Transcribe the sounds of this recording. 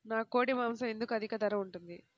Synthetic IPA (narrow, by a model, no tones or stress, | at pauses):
naːko̞ːɽimaːmsɐme̞nd̪ukuɐd̪ʱikɐd̪ɐɾɐuɳʈund̪i